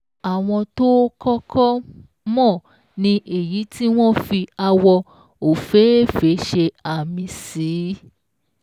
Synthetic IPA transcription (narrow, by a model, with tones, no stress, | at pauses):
a˨w̃ɔ̃˧to˦kɔ˦kʰɔ˦ | mɔ̃˦˨ | nĩ˧ʔe˨ji˨˦ti˦w̃ɔ̃˦fi˧a˧wɔ˧ | o˨fe˨˦e˦˨fe˨˦ʃe˧a˨mĩ˧siː˨˦